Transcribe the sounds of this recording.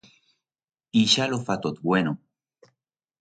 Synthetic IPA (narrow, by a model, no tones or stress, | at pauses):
iʃalofat̪ot̪̚bweno